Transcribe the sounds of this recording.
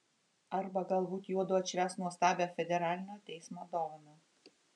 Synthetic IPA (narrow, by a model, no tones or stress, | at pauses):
ɐɾbɐɡɐlˠbuːt̪juɔd̪ʊɐt̪ʲʃʲɾʲæːsnuɔst̪ɑːbʲɛfʲɛd̪ʲɛɾɑːlʲɪnʲoːt̪ʲɛɪsmoːd̪ɔːʋono